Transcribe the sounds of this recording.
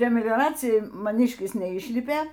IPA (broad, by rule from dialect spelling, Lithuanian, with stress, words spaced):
pʲrʲiɛ mʲɪɡˈrɑːt͡sʲɪjɛn mɐˈnʲiːʃʲkʲɪs nʲɛˈiːʃʲlʲɪpʲeː